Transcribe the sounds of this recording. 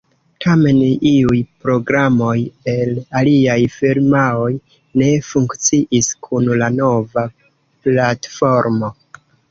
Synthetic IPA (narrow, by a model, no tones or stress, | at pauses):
tʰame̞niujpɾo̞ɡɾamo̞je̞laliajfiɾmao̞j | ne̞fuŋkt͡siʔiskʰunlano̞va | platfo̞ɾmo̞